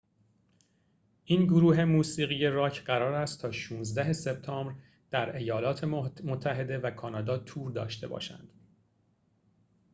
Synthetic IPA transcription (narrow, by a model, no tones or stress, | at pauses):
ʔiːnɡoɾuːɦe̞muːsiːɣiːje̞ɾɒːcʰɢæɾɒːɾæst̪t̪ʰɒːʃuːnzd̪æɦe̞se̞b̚t̪ʰɒːmbɾ | d̪̥æɾe̞jɒːlɒːt̪ʰemot̪ʰːæɦe̞d̪e̞vækʰɒːnɒːd̪ɒːt̪ʰuːɾd̪ɒ̰ːʃt̪e̞bɒ̰ːʃæ̰nd̪̥